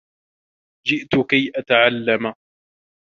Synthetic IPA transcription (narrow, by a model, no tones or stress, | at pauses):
d͡ʒɪʔt̪ʊkajʔat̪aʕalːam